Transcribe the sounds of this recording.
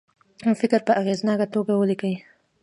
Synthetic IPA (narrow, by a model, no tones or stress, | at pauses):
fɪkɾpəʔaɣeznɑkat̪oɡawəlikəwi